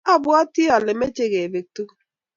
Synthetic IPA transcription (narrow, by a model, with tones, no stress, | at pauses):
a˦bʊ˦ɔ˦ti˦ɔ˨lɪ˨me˦t͡ʃe˦ɣe˨ve˨k̚tu˦